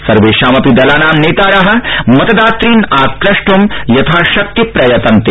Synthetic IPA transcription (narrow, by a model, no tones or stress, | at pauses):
sɐɾʋeːʃaːmɐpid̪ɐlaːnaːmneːt̪aːɾɐɦɐ̆mɐt̪ɐd̪aːt̪ɾiːnaːkɾɐʂʈumjɐt̪ʰaːʃɐk̚t̪ipɾɐjɐt̪ɐnt̪eː